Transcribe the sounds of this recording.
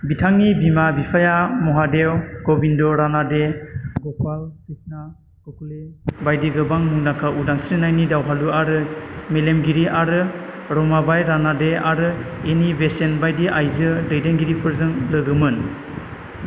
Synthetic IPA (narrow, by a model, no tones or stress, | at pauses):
bitʰaŋnibimabipʰajamɔɦadewɡobindɔɾanadeɡɔpʰalkisna | ɡ̥ɔkʰulebajdeɡɯbaŋmuŋdakʰaudaŋsiɾɯnajnidawɦaluaɾɯmelemɡiɾiʔaɾɯɾɔmabajɾanadeaɾɯenibesenbajdeʔajzɯdɯjdeŋɡiɾipʰɯɾzɯŋlɯɡɯmɯn